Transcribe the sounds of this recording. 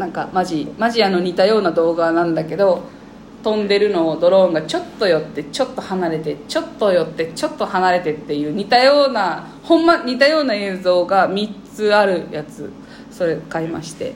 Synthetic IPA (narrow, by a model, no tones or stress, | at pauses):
nãŋka̰maʑimaʑiano̞ɲ̟it̪ajo̞ːnad̪o̞ːɡanãnd̪ake̞d̪o̞ | t̪õ̞nd̪e̞ɾɯ̟no̞ːd̪o̞ɾõ̞ŋɡat͡ɕo̞t̪ːo̞jo̞t̪ːe̞t͡ɕo̞t̪ːo̞hanaɾe̞t̪e̞t͡ɕo̞t̪ːo̞jo̞t̪ːe̞t͡ɕo̞t̪ːo̞hanaɾe̞t̪e̞t̪ːe̞jɯ̟ːɲ̟it̪ajo̞ːna | hõ̞mːaɲ̟it̪ajo̞ːnae̞ːzo̞ːɡamʲit͡sɨaɾɯ̟jat͡sɨ̰ | so̞ɾe̞kaima̰ɕi̥t̪e̞̰